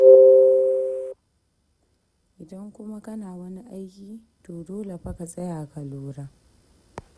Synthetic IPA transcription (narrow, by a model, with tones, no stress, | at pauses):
ʔɪ˨dɐ˦ŋkʷʊ˦ma˦kɐ˦naː˨wɐ˦ni˦ʔa˦jkʲiː˦ | toː˨doː˦le˨ɸɐ˦ka˨sʼɐ˦jaː˨kɐ˨loː˦ɾaː˦